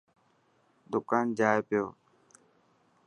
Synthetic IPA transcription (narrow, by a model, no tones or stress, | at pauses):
d̪ʊkaːnd͡ʒaːjpɪjoː